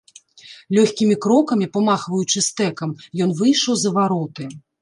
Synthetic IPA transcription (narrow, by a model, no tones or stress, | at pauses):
lʲɔxʲkʲimʲikɾɔkɐmʲipɐmaxvɐjut͡ʂɨst̪ɛkɐmjɔnvɨjʂɐwzɐvaɾɔt̪ɨ